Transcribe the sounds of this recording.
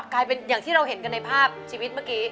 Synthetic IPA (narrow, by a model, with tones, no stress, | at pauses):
klaː˧jpe˧njaː˨˩ŋt̪ʰiː˥ɾa˧wɦe˨˩˦nka˧nːa˧jpʰaː˥˩p̚t͡ɕʰiː˧wi˦˥t̪̚maː˥˩kiː˦˥